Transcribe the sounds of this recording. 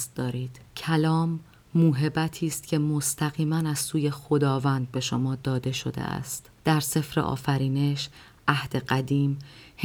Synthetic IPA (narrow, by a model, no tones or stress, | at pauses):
s̚d̪̥ɒːɾiːd̪̥cʰælɒːmː | uːɦe̞bæt̪ʰiːst̪cʰe̞most̪ʰæɣiːmænæzsuːje̞xo̞d̪ɒːvænd̪̚be̞ʃo̞mɒːd̪ɒːd̪e̞ʃo̞̰d̪ḛʔæ̰st̪ | d̪̥æɾse̞fɾḛʔɒ̰ːfæɾiːne̞ʃ | ʔæhd̪̥e̞ɢæd̪iːmh